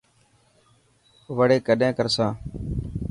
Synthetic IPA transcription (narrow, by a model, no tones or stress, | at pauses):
ʋəɽeːkəɗẽːkəɾsãː